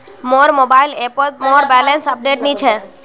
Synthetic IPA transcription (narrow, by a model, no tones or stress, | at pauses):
moːɾmobailepot̪̚moːɾbɛlensəp̚ɖeʈnĩt͡ʃʰe